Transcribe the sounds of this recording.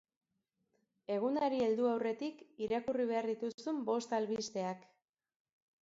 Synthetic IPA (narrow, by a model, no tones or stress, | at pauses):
e̞ɣ̞unaɾie̞ld̪uawre̞t̪ikiɾakuriβ̞e̞aɾðit̪usumbo̞st̪alβist̪e̞ak